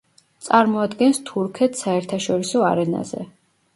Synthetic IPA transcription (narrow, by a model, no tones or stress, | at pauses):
t̪sʼaɾmɔad̪ɡɛnst̪ʰuɾkʰɛt̪ʰsaɛɾt̪ʰaʃɔɾisɔaɾɛna̰zɛ̰